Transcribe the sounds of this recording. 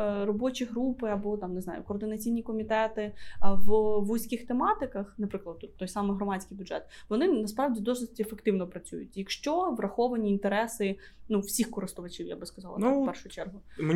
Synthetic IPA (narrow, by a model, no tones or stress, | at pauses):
rɔbɔt͡ʃʲiɦɾupɪɐbɔt̪ɑmnɪzɑ̰jʊ̰kɔːrd̪ɪnɐt͡sʲijnʲikɔmʲit̪ɛt̪ɪʋʋujsʲkʲɪxt̪emɑt̪ɪkɐxnɐpɾɪklˠɐd̪ut̪ːɔjsɑmɨjɦɾɔmɑsʲkɪjbʲʊdʐ̥ɛt̪̚ʋɔnɪnɐspɾɑʋdʲid̪ɔsɪtʲefekt̪ɪwnɔpɾɐt͡sʲujʊ̰tʲjɐkʃt͡ʃɔʋrɐxɔʋɐnʲiːnt̪eɾɛsɪ | nuwsʲixkɔɾɪst̪ʊʋɐt͡ʃiwja̰bɨskɐzɑlˠnpɛrʃʊjt͡ʃɛrɦʊm